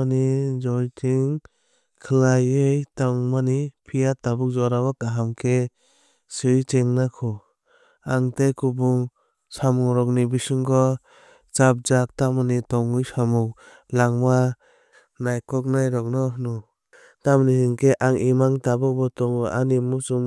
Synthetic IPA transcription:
nid͡ʒɔjtʰiŋ | kʰlajejtaŋmanipʰijatabuk̚zɔɾabakaɦamkʰe | sɯjt͡ʃeŋnakʰɔ | aŋtekʰubuŋ | samuŋɾɔk̚nibisɯŋkɔ | t͡ʃap̚d͡ʒak̚tamanitɔŋɯjsamuk̚ | laŋma | najkɔk̚najɾɔk̚nɔɦnɔ | tamnisɯŋkʰeʔaŋimaŋtabɔk̚bɔtɔŋɔʔanimusuŋ

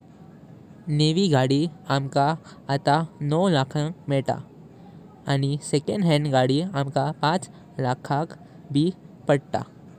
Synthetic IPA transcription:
neːʋiɡaːɽiaːmka | ət̪anɔːlaːkʰãmeːʈa̰ | a̰ːnisekə̃ɳɖɦɛ̃ːɳɖɡaːɽiaːmkapãːt͡ʃ | laːkʰãk | bʱipɐɽt̪a̰ː

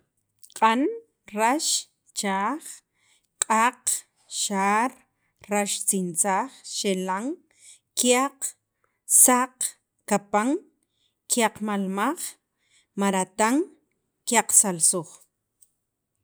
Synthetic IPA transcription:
qʼan | ɾaʃ | t͡ʃaːχ | qʼaq | ʃaːɾ | raʃt͡sint͡saːχʃelaŋ | kjaq | saq | kapaŋ | kjaqmalmaχ | maɾat̪aŋ | kjaqsalsoχ

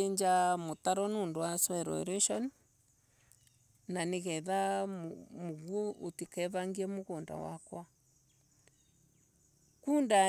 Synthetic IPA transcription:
eɲd͡ʒamotaɾɔnoːndowaswɛɾɔ̰ɾɛʃɔn | naneɣɛðammoɣwoʔotikɛβaŋɡiɛmoɣoːnda̰wa̰kwa | kunda

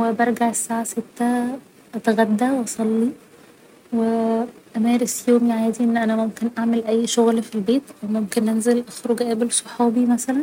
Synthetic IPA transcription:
webɑɾˤɡaʕesːaːʕaset̪ːæ | ʔɑt̪aɣæd̪ːæwʔɑsˤɑlːi | weʔæmæːɾesjoːmjʕaːd̪iʔenːʔænæmomkenʔaʕmelʔæjːʃoɣlfilbeːt̪ʔæwmomkenʔænzelʔɑxɾoɡʔæbelsˤoħɑːbimæsælæn

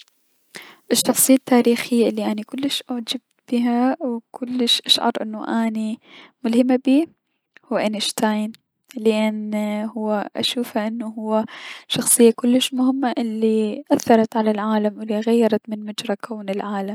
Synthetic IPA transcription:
ʔɪʃːɑxsˤɨjːat̪ːaːɾiːxɪjːaʔɪlːiʔanikʊlːɪʃʔaʕd͡ʒab̚t̪b̥iɦawkʰʊlːɪʃʔaʃʕɑ̰ɾˤʔɪ̰nːuʔanimʊlhɪmːabiː | hʊwːʔanɪʃt̪ajn | lɪʔanhʊwːaʔa̰ʃuːfaʔɪnːuhʊwːaʃɑxsˤɨjːakʊlːɪʃmʊhɪmːaʔɪlːiʔaθːɑɾˤɑt̪ʕalalʕaːlamwɪlːiɣajːɑɾˤɑt̪mɪnmʊd͡ʒɾˤɑkʰaːnɪlʕaːlam

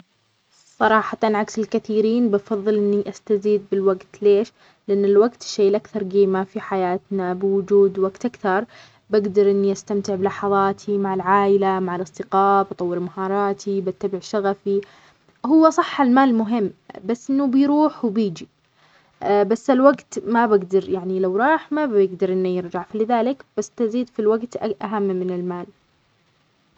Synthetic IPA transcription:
sˤɑɾˤɑːħɑt̪ɑnʕaksɪlkaθiːɾiːnbɑfɑðˤːɨlʔɪnːiʔast̪aziːd̪̚bɪlwaɡt̪leːʃ | lɪʔanːɪlwaɡt̪ʃːeːlʔakθɑɾˤɡeːmafiħajaːt̪nabɪwʊd͡ʒuːd̪waɡt̪ʔakθɑɾˤ | baɡd̪ɑɾˤʔɪnːiʔast̪amt̪ɪʕbɪlɑħɑðˤɑːt̪ʰimaʕɪlʕaːʔɪlamaʕalʔɑsˤt̪ɪqɑːbʔɑt̪ˤɑwːɪɾmahɑːɾˤɑːt̪ʰibat̪ːabɪʕʃaɣafi | hʊwːasˤɑħːalmaːlmʊɦɪmːbasːʔɪnːubɪjɾuːħwbiːd͡ʒi | basːalwaɡt̪mabɪɡd̪ɑɾjaʕnilawɾˤɑːħmabjɪɡd̪ɑɾˤʔɪnːujɪɾd͡ʒaʕfilɪðaːlɪkb̥asːt̪aziːd̪filwaɡt̪ʔaɦamːɪnɪlmaːl

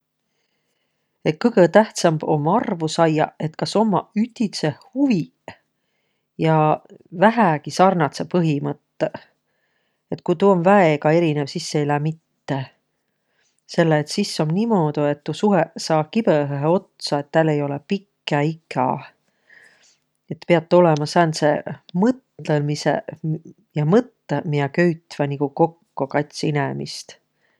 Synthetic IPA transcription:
e̞t̪̚kɤjɡ̥et̪æht̪sɑmb̥o̞̰mːɑrvusɑjɑ̰e̞t̪kɑso̞mːɑyht̪ːit̪se̞huvi | jɑvæɦækisɑrnɑt̪sepɤɦimɤt̪ːe | e̞t̪ːˑkujt̪uonvæeɡɑe̞ɾinevsisːeilæːmit̪ːe̞ | se̞lːeːt̪sisːo̞mnimo̞ːd̪̥ue̞t̪ːusuɦesɑːkib̥eɦeɦeo̞t̪sɑe̞t̪ːælejo̞lepikˑːɑikɑ̰ | e̞t̪ːpeɑt̪ːeo̞lemɑsɑnse̞̰mɤt̪lelmisḛ | jɑmɤt̪ˑːemiɑkøɥt̪vɑnikuko̞kːokɑjt̪sinemḭst̪

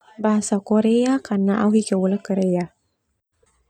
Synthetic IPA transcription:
baɦasakoɾeakanaʔawɦikəwuləkəɾeja

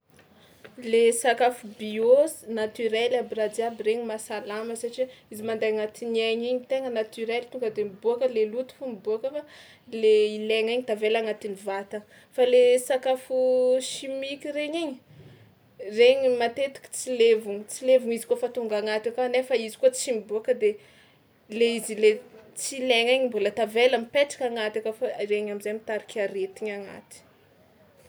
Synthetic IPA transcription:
lesakafubiozinat̪yɾelabirad̪iabireɲimasalaməsaʈ͡ʂiizimand̪ajaŋat̪inieɲiɲit̪eŋənat̪yɾelt̪uŋɡəd̪emibuakəlelut̪u̥fumibuakəfa | leileŋiɲid̪̥avelaŋat̪inivat̪ə | falesakafuʃimikireɲiɲi̥ | reɲimat̪et̪i̥kʲi̥t͡silevuŋit͡silevuŋizi̥kuəfat̪uŋɡaŋat̪akaanefaizi̥kuət͡simibuakəd̪e | leizilet͡sileŋiɲimbulət̪aveləmipeʈ͡ʂḁkʲaŋat̪akafareɲamizajmit̪aɾikʲaɾet̪iɲaŋa̰t̪i̥

